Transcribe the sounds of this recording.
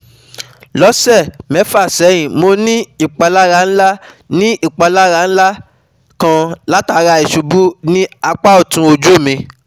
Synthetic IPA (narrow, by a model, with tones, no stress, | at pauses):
lɔ˦sɛ˦˨mɛ˨˦fa˦˨sɛ˨˦j̃ĩ˨mo˧˦nĩ˦i˦˨k͡pa˧la˦ɾa˧˦ñ̩˦la˦ | nĩ˦ʔi˦˨k͡pa˧la˦ɾa˧˨ñ̩˦la˦ | kã˧la˦ta˧˨ɾa˧i˨ʃu˧bu˦nĩ˦a˧k͡pa˦o˦˨tũ˧˦o˧d͡ʒu˦˨mĩ˧